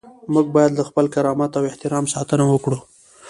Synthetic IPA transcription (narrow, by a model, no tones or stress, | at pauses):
muɡ̚bɑjad̪lːəxpəlkaɾɑmat̪awɪht̪ɪɾɑmsɑt̪ənawəkɽu